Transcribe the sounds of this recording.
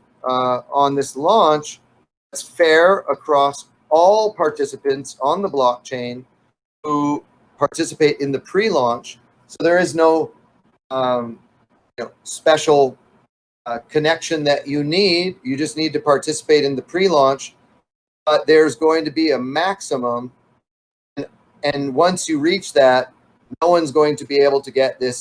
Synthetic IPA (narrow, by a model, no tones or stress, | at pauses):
ə̃nðɪslɔ̃nt͡ʃ | ðætsfɛɹəkʰɹ̥ɔs | ɔlˠpʰɑɹtʰɪsəpɨ̃ntsn̩ðəblɔk̚t͡ʃʰẽɪ̃n | hu | pʰɑɹtʰɪsəpeɪɾʔɨ̃nðɨpʰɹ̥ilɔ̃nt͡ʃ | soʊðə˞ɨznoʊ | jɨnoʊspɛʃl̩ˠ | kʰɨnɛkʃɨ̃nðɨt͡ʃɨnidjɨd͡ʒʌsnid̚tɨpɑɹtʰɪsə̥peɪɾɨ̃nðɨpʰɹ̥ilɔ̃nt͡ʃ | b̥ʌt̪̚ðə˞zɡoʊɪ̃ŋtɨbiɨmæksəmə̃m | n | ɨ̃nwʌ̃nsjɨɹit͡ʃðæt̚ⁿ | noʊwʌ̃nzɡoʊɪ̃ŋtʰɨbieɪbl̩ˠtʰɨɡɛt̪̚ðɪs